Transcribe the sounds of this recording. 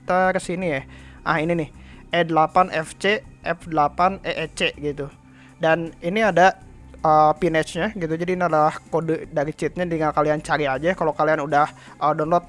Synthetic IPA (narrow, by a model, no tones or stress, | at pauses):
t̪aksinijahʔa̰hininɪhʔedəlapanʔɛft͡ʃeʔɛfdəlapaneʔet͡ʃeɡit̪u | daniniada | əːpinɛt͡ʃɲaɡit̪ud͡ʒadiːniadalahkodədaɾit͡ʃɪt̪̚ɲadəŋakaliant͡ʃaɾiad͡ʒakalokalianudah | ədɔnlɔt̪̚